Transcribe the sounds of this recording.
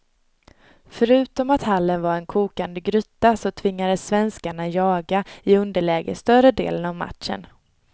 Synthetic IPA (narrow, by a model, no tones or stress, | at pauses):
fœɾʉ̟ːt̪ɔmat̪halːənvaɾɛnkʰuːkand̪əɡɾʏt̪ːasɔt̪ʰvɪŋːad̪əsːvɛnskaɳajɑːɡaɪɵnd̪əɭɛːɡə̰st̪œrɾəd̪ḛːlənavma̰t̪ʂə̰n